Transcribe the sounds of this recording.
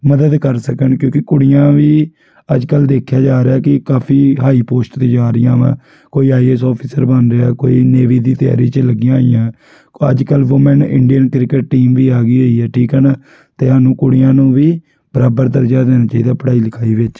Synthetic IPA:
məd̪əd̪kəɾsəkəɳkjõːkɪkʊɽɪjãːʋiː | əd͡ʒkəld̪eːkʰjaːd͡ʒaːɾeaːkɪkaːpʰiːɦaːiːpoːsʈt̪eːd͡ʒaːɾəɪjã̰ːʋɛ̰̃ː | koːiːaːiːɛːsɔːpʰiːsəɾbənɾeaːkoːiːneːʋiːd̪iːt̪ɪja̰ːɾiːt͡ʃələɡɪjãːijãː | ə̰d͡ʒkəlʋoːmɛːnʔɪ̰ɳɖijənkɾɪkəʈːʈiːmʋiːaːɡiːɦoːiːɛːʈʰiːkɦɛːnaː | t̪eːɦaːnũːkʊɽjãːnũːʋiː | b̥əɾaːbəɾd̪əɾd͡ʒaːd̪eːnaːt͡ʃaːiːd̪aːpəɽaːiːləkʰaːiːʋɪt͡ʃ

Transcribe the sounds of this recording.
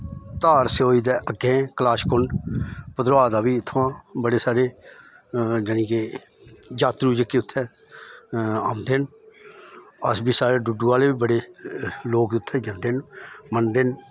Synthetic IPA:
t̪aːɾseoːiːd̪ɛːʔəɡẽːklaːʃkʊɳɖpəd̪ɾʊaːd̪aːʋiːɪt̪ʰːãːbəɽeːsaːɾeː | d͡ʒənĩːkeː | d͡ʒaːt̪ɾuːd͡ʒəkːeːʊt̪ʰːɛ̃ː | aːmd̪ɪn | əsbiːsaːɾeːɖʊɖũːaːleːbiːbəɽeːloːkʊt̪ʰːɛ̃ːd͡ʒənd̪enmənd̪ɪn

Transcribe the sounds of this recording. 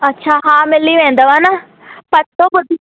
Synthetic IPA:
ətːʃʰaːɦãːmɪlːiːʋɛ̃ːnd̪aʋaːnaː | pəɾt̪õːbʊd̪i

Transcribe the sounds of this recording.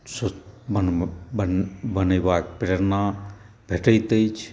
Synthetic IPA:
sobən | bənəjbak̚pɾeɾna | bʱeʈəjt̪əjt͡ʃʰ

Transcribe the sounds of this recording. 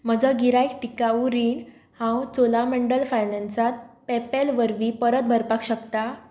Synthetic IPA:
m̤əd͡zəɡiɾajkʈikauɾiɳ | hãwt͡solameɳɖəlfajnẽnsat̪̚pɛpelʋəɾʋipəɾət̪̚bʱəɾpakɕəkt̪a

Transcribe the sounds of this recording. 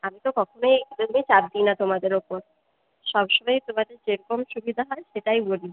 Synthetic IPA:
amit̪okɔkʰonojd̪oɾmet͡ɕab̚d̪inat̪omad̪eɾopoɾ | ʃɔbʃɔbajt̪omad̪eɾd͡ʑeɾkɔmʃubid̪ʱaɦɔeʃeʈajboli

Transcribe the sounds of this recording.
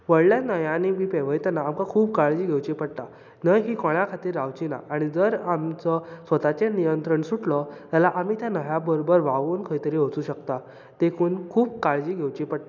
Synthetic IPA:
ʋəɭljanəjãnimiːpeʋəjt̪anaːmkakʰuːb̚kaɭd͡ʑiːɡʱewt͡ɕipəɽt̪a | nəɦiːkɔɽjakʰat̪iːɾːaʋt͡ɕina̰ʔaɽ̃id͡zəɾamt͡sɔsʋət̪at͡ɕenijənt̪ɾəɳsuʈlɔt̪jalaʔamiːt̪janəjabəɾobəɾʋaʋuːnkʰəjt̪əɾiɦot͡suːɕəkt̪a | t̪ekʰuːnkʰuːb̚kaɭd͡ʑiːɡʱewt͡ɕipəɽt̪a

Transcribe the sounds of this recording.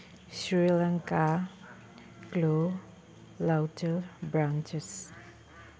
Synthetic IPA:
ʃɾilaŋka | klo | lawtelbɾant͡ʃes

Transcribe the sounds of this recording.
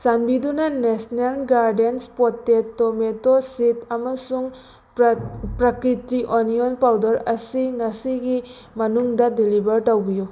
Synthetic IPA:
sanbidunɐnesnelɡaɾdenspotːetːometositɐmɐsuŋ | pɾɐkɾitiʔonijonpawdɐɾɐsiŋɐsiɡi | mɐnuŋdɐdilibɐɾtɐwbiju

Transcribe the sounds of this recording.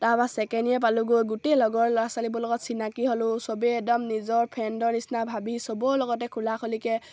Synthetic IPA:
tabasɛkɛniɛp̬aluɡojɡutelɔɡɔɹlasalibɔlɔɡɔtsinakiɦolʊsɔbeɛdɔmnizɔɹpʰɛndɔɹnisnabʱabisɔbɔlɔɡɔtɛkʰulakʰolikɛ

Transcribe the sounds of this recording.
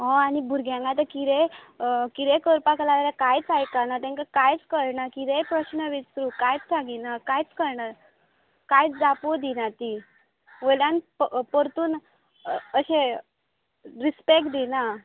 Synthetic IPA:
ɦɔ̃anibʱuɾɡʱjãŋɡat̪əkiɾe | kiɾekəɾpaklat̪aɾakajt͡sajkanat̪ɛ̃ŋkakajt͡skəɾɳakiɾepɾəɕnəʋit͡st̪ɾukajt͡st͡saɡinakajt͡skəɾɳaɾ | kajt͡sd͡zapod̪inat̪i | ʋəljãnpəɾt̪uːn | əɕẽ | ɾispek̚ʈd̪ina

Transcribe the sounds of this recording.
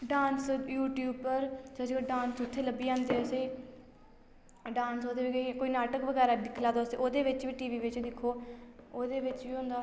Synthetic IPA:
ɖãːnsjuːʈjuːbpəɾsəsiːoɖãːnsʊt̪ʰːeːləbːiːãːnd̪eːəseː | ɖãːnsoːd̪eːʋikoːiːnaːʈəkʋəɡɛːɾaːd̪ɪkʰlaːd̪oːseːʔoːd̪eːʋɪt͡ʃʋiːʈiːʋiːʋɪt͡ʃd̪ɪkʰːoːoːd̪eːʋɪt͡ʃʋiːɦʊ̃ːnd̪aː

